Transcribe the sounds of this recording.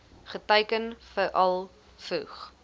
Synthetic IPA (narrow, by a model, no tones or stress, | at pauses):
χətəjkənfəɾʔɐlˠ | fuχ